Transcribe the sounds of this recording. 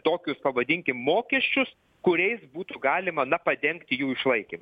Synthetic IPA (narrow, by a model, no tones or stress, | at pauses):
t̪oːkʲʊspɐʋɐd̪ʲɪŋʲkʲɪmmoːkʲɛsʲt͡ʃʲʊs | kʊɾʲɛɪsbuːt̪uɡɑːlʲɪmɐnɐpɐd̪ʲɛŋkt̪ʲɪjuːɪʃlˠɐɪkʲimɐ